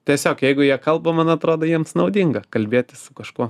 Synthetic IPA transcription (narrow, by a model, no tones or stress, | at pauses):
t̪ʲiɛsʲoːkjɛɪɡʊjiɛkɐlˠbɐmɐnɐt̪ɾoːd̪ɐːjiɛmsnɐʊd̪ʲiŋɡɐkɐlʲbʲeːt̪ʲɪsʊkɐʃkuɔ